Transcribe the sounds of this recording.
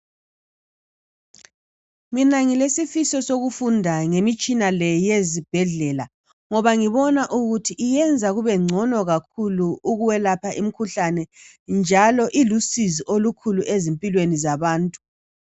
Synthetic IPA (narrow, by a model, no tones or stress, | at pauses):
minaŋilesifisɔsoɣufundʱaŋemit͡ʃʼinalɛjezib̥ʱɛɮɛla | ŋɔβaŋiβɔnaʔuɣutʰiʔːjɛnd͡zʱaɣuβɛŋ͡ǀʱɔnɔɣakʰuluuɣuwɛlapʰaʔim̩kʰuɬanɛ | nd͡ʒʱalɔʔilusiziʔolukʰuluʔezimpʼilwenizaβaːntʼu̥